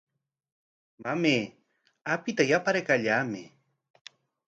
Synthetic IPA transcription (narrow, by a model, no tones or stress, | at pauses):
mameː | apɪt̪ajapaɾekaʎaːmɪ